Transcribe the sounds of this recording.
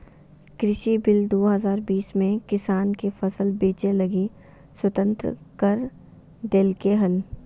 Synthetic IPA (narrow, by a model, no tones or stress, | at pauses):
kɾɪʃibɪld̪oːɦɐzaːɾbiːsmẽkɪsaːnkefɐsəlbeːt͡ʃelɐɡi | swɐt̪ə̃nt̪ɾə̰kəɾ | ɖ̪eːlkeɦɐl